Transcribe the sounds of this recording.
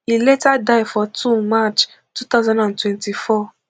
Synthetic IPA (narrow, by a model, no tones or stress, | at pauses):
iletadaifɔtumat͡ʃ | tut̪azãndãntwɛ̃ntifɔ